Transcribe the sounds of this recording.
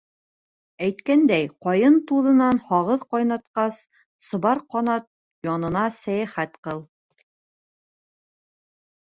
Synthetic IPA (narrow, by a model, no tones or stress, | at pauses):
æjt̪kænd̪æjqɒjɤnt̪uðɤ̆nɑnhɑʁɤðqɑjnɑt̪qɑs | sɤ̆βɑɾqɑnɑt̪̚ | jɒnɤ̆nɑsæjæχæt̪qɤlˠ